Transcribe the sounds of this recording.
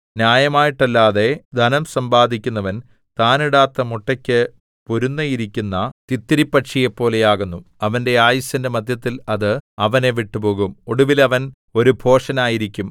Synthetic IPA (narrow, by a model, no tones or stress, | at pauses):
njaːjɐmaːjiʈːɐlːaːðe̞d̪ʱɐnɐmsɐmbaːd̪ʱikʲːunːɐʋɐn | t̪aːniɽaːt̪ːɐmuʈːɐkʲːɨ | poɾunːɐjiɾikʲːunːɐt̪it̪ːiɾipːɐʈʂijepːo̞ːle̞jaːɣunːuɐʋɐnde̞aːjɐsɐndemɐd̪ʱjɐt̪ːilɐðɨɐʋɐne̞ʋiʈːupo̞ːɣumoɽuʋilɐʋɐn | o̞ɾubʱo̞ːʂɐnaːjiɾikʲːum